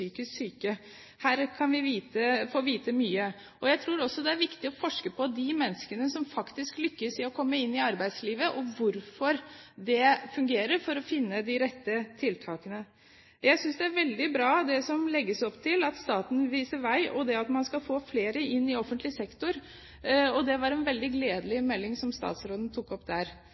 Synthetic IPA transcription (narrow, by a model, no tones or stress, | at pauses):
yːkəssyːkə | hæːɾkʰɑnʋɪʋiːt̪əfoːʋiːt̪əmyːə | ɔjæɪt̪ʰɾuːɾɔsːɔd̪ɛæɾʋɪkt̪ɪɔfɔʂkəpʰɔd̪ɪmɛnːskənəsɔmfɑkt̪ɪsklʏkːəsɪɔkʰɔmːəɪnːɪɑɾbæɪd̪sliːʋəʔɔʋʊɾfɔɾd̪ɛfʉŋɡeːɾəɾfɔɾɔfɪnːəd̪ɪɾɛt̪ːət̪ʰɪlt̪ʰɑːkənə | jæɪsʏnsd̪ɛæɾʋɛld̪ɪbɾɑːd̪ɛsɔmlɛɡːəsɔpt̪ʰɪlɑt̪st̪ɑːt̪n̩ʋiːsəɾʋæɪʔɔd̪ɛɑt̪mɑnskɑfoːfleːɾəɪnːɪɔfːənt̪lɪsɛkt̪ʊɾ | ɔd̪ɛʋɑɾɛnʋɛld̪ɪɡleːd̪əlɪmɛlːɪŋsɔmst̪ɑ̰ːt̪sɾoːd̪n̩t̪ʰʊkːɔpːd̪æɾ